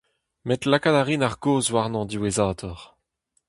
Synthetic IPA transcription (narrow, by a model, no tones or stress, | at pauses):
mɛt̪lakadaʁinaʁɡoːzwaʁnɑ̃d̪iwezaːt̪ɔʁ